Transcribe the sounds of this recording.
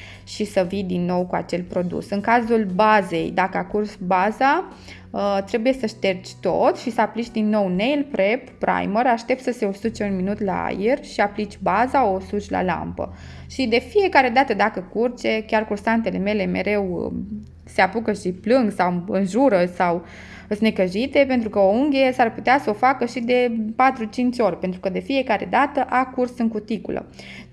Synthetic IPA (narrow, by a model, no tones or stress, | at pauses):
ʃisəvijd̪inːo̞wkua̰t͡ʃe̞lpɾo̞d̪ṵsɨŋkazulbaze̞̰jd̪akəakursbaza | ət̪ɾe̞buje̞səʃt̪e̞rt͡ʃʲt̪o̞̰t̪ʃisəaplit͡ʃʲd̪inːo̞wnejlpɾepːɾa̰jməɾaʃt̪e̞p̚t̪səse̞osut͡ʃe̞unminut̪la̰a̰jerʃiaplit͡ʃʲbazaosut͡ʃʲla̰la̰mpə̰ | ʃid̪e̞fije̞kaɾe̞d̪at̪əd̪akəkurt͡ʃe̞kʲarkursant̪e̞le̞me̞le̞me̞̰ɾe̞w | se̞apukəʃiplɨŋɡsawɨnʒuɾəsaw | əsne̞kəʒit̪e̞pe̞nt̪ɾukəouŋɡʲesarput̪easəofakəʃid̪e̞pat̪ɾut͡ʃint͡ʃʲo̞rʲpent̪ɾukəd̪e̞fije̞kaɾe̞̰d̪at̪əʔakursɨŋkut̪ikṵlə̰